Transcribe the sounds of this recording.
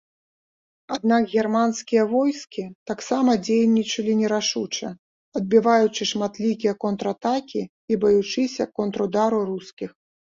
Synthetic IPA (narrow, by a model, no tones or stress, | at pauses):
ad̪nakɣʲɛrmanskʲijɐvɔjskʲit̪aksamɐd͡zʲejnʲːit͡ʂɐlʲinʲɛɾaʂut͡ʂɐ̰ | ɐd̪̚bʲivajut͡ʂɨʂmat̪lʲikʲijɐkɔnt̪ɾɐat̪akʲi | ibɐjut͡ʂɨsʲɐkɔnt̪ɾud̪aɾuɾuskʲix